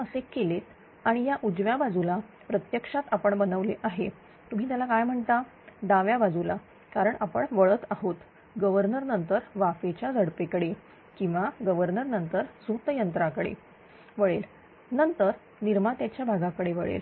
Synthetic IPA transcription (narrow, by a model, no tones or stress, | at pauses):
əsekːelet̪ | aɽ̃ijaʔud͡zʋjabad͡zula | pɾət̪jəkʂat̪apəɳbənəʋleʔaɦe | t̪um̤iːt̪jalakajm̤əɳt̪a | d̪aʋjabad͡zula | kaɾəɳapəɳʋəɭət̪aɦot̪ | ɡəʋəɾnəɾnənt̪əɾʋafet͡ɕjad͡zʱəɽpekəɽe | kĩw̃ʋaɡəʋəɾnəɾnənt̪əɾsut̪jənt̪ɾakəɽḛ | ʋəɭel | nənt̪əɾ | niɾmat̪jat͡ɕjabʱaɡakəɽeʋəɭḛl